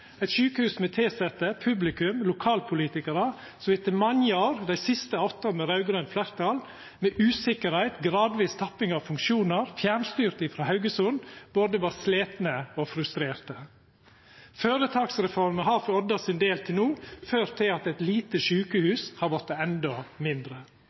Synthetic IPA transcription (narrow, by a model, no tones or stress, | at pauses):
æɪt̪ʃʉːkəhʉːsmɛt̪ʰeːsɛt̪əpʰʉblɪkʉmlʊkʰɑːlpʰʊliːt̪ɪkəɾə | sɔʋɪt̪ːɪmɑnjəoːɾd̪æɪsɪst̪əɔt̪ːɑmɛɾɑʉɡɾœnflæɾt̪ʰɑl | mɛʔʉːsɪkəɾhæɪt̪ɡɾɑːd̪ʋiːst̪ʰɑpːɪŋɑʋfʉŋkʃuːnəɾfjæɳst̪yːɾt̪ɪfɾɑːhɑʉɡəsʊnb̥oːd̪əʋɑːɾsleːt̪nəofɾʉst̪ɾeːɾt̪ə | føːɾət̪ʰɑːksɾɛfɔɾməɦɑːɾfɔd̪ɑsɪnd̪eːlt̪ʰɪlnuːføːɾt̪ʰɪɑt̪ɛt̪liːt̪əʃʉːkəhʉːshɑɾʋɔt̪ːəɛnd̪ɔmɪnd̪ɾə